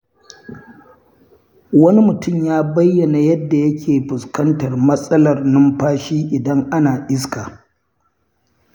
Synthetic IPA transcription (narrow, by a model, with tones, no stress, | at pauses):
wɐ˦ni˦mʊ˨tʊ˦mjaː˦bɐ˦jːɐ˨na˨jɐ˦dːa˨jɐ˦kʲʰeː˨ɸʊ˨skɐ˦ntɐ˨rmɐ˦sʼɐ˦lɐ˨rnʊ˦mɸaː˦ʃiː˦ʔɪ˨dɐ˦ŋʔa˦naː˨ʔɪ˦s̬kaː˨